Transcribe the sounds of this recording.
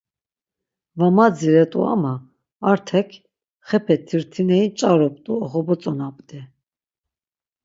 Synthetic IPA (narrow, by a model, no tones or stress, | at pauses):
vamad͡ziɾɛt̪ʼṵa̰maː | ɾt̪ʰɛkʰ | χɛpʰɛt̪ʰiɾt̪ʰinɛit͡ʃʼaɾɔpʼt̪ʼuɔχɔbɔt͡sʼɔnapʼd̪ɛ